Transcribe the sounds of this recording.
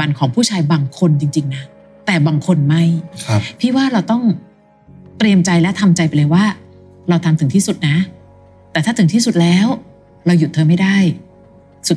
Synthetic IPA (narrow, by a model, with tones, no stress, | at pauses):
a˧nkʰɔː˩˦ŋpʰuː˥˩t͡ɕʰaː˧jbaː˧ŋkʰo˧nt͡ɕi˧ŋt͡ɕi˧ŋna˦˥ | t̪ɛː˨˩baː˧ŋkʰo˧nma˥˩jkʰpʰiː˥˩waː˥˩ɾa˧wt̪ɔ˥˩ŋ | t̪ɾi˧əmt͡ɕa˧jlɛ˦˥t̪ʰa˧mt͡ɕa˧jpa˧jlɤː˧jwaː˥˩ | ɾa˧wt̪ʰa˧mt̪ʰɯ˩˦ŋt̪ʰiː˥˩su˨˩t̪̚na˦˥ | t̪ɛː˨˩t̪ʰaː˥˩ɯ˩˦t̪ʰiː˥˩su˨˩t̪̚lɛː˦˥w | ɾa˧wju˨˩t̪ʰːɤː˧ma˥˩jda˥˩j | su˨˩